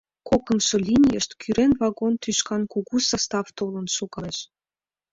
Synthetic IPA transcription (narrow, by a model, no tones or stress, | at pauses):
kokə̆mʃɤ̆lʲinʲijəʃt̪kʰyɾenvɑɡont̪yʃkɑnkuɣusɑst̪ɑft̪olə̆nʃukɑeʃ